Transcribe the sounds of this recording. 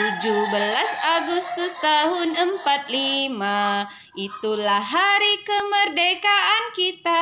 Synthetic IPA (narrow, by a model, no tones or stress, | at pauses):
t̪ud͡ʒubəlasaɡust̪ʊst̪aɦʊnəmpat̪̚lima | ʔit̪ulaɦaɾikəmərdekaʔankit̪a